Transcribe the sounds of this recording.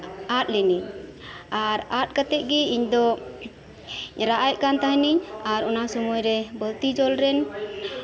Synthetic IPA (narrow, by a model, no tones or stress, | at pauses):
at̪̚liniɲ | aɾat̪̚kat̪ɛʔ̚ɡiiɲd̪ɔ | ɾaʔajkant̪aɦniɲaɾɔnasɔmujɾɛbəlt̪id͡ʒɔlɾɛn